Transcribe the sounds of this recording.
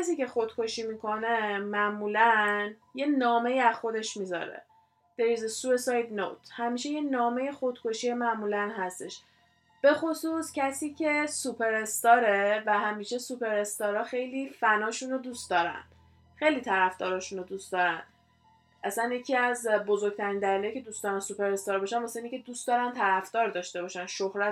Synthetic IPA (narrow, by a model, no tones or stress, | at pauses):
æs̬iːce̞xod̪̥kʰo̞ʃiːmiːkʰo̞ne̞mæʔmuːlænje̞nɒːme̞iæz̥xo̞d̪e̞ʃmiːzɒ̰ɾḛ | d̪̥eɾiːzesue̞sɒjd̪no̰t̪ʰhæmiːʃejenɒːme̞je̞xo̞d̪̥kʰo̞ʃiːemæʔmuːlænɦæst̪e̞ʃ | b̥e̞xosuːscʰæsiːcʰe̞supʰe̞ɾest̪ɒːɾe̞væɦæmiːʃe̞supe̞ɾe̞st̪ɒːɾɒːxe̞jliːfænɒːʃunod̪uːst̪̚d̪ɒːɾæ̰n̥ | xe̞jliːt̪ʰæɾæfd̪ɒːɾɒːʃunod̪ust̪d̪ɒːɾæn | ʔæsænjecʰiːæzbo̞zo̞ɾɡ̚t̪ʰæɾiːnd̪æliːlejcʰe̞d̪ust̪d̪ɒːɾænsupe̞ɾe̞st̪ɒːɾbɒʃænvɒseinicʰe̞d̪uːst̪d̪ɒːɾænt̪ʰæɾæfd̪ɒːɾd̪ɒːʃt̪e̞bɒːʃænʃohɾæ